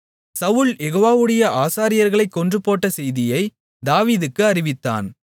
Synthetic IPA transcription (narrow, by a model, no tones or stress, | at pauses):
sɐʋʊɭjɛɣoːʋaːʋɯɽɐjɐʔaːsaːɾɪjɐɾɣɐɭɐɪkːɔndrɯpːoːʈːɐsɛjðɪjɐɪ | d̪aːʋiːðɯkːɯɐɾɪʋɪt̪ːa̰ːn